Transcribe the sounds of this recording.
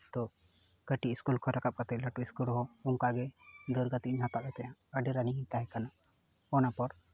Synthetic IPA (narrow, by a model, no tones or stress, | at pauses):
t̪ɔ | kəʈiʔiskulkʰɔɾakap̚kat̪ɛləʈuiskulɦɔuŋkaɡɛd̪ɔɾɡat̪iɲɦat̪abɛt̪ajãəɖiɾaniɡit̪aɦɛkanaʔ | ɔnapɔɾ